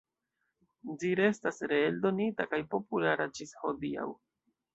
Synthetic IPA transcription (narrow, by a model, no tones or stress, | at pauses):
d͡ʒiɾe̞stasɾe̞eldo̞nitakajpo̞pulaɾad͡ʒisho̞dia̰w